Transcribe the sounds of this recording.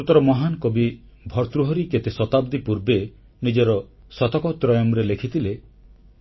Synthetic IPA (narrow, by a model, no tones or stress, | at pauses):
ut̪ɔɾɔmɔɦankobi | bʱɔɾt̪ɾuɦɔɾiket̪esɔt̪abd̪ipuɾbe | nid͡ʒɔɾɔ | sɔt̪ɔkɔt̪ɾɔjɔmɾelekʰit̪ʰile